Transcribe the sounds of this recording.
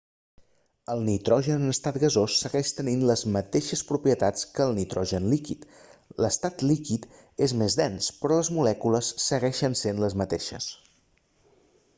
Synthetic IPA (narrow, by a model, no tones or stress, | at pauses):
əlˠnit̪ɾɔʒənnəst̪at̪ɡəzosːəɣɛʃt̪əninləzmət̪eʃəspɾupɾiət̪at͡skəːlˠnit̪ɾɔʒənlikit̪ | ləst̪at̪likit̪ | ezmezðɛnspɾɔləzmulɛkuləsːəɣɛʃənsenləzmət̪eʃə̰s